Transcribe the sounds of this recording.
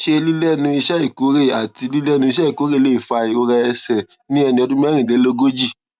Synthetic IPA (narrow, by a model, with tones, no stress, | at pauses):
ʃe˧li˦lɛ˦nũ˧i˧ʃɛ˦i˦˨ko˨˦ɾe˦˨a˨ti˧li˦lɛ˦˧nũ˧i˧ʃɛ˦i˦˨ko˨˦ɾe˦˨le˨˦i˨fa˧i˨o˧ɾɛ˧ɛ˧sɛ˨ | nĩ˦ɛ˧nĩ˧ɔ˧dũ˦mĩ˦ɛ˦ɾ̃ĩ˨dɛ˨˦lo˦ɡo˦d͡ʒi˦˨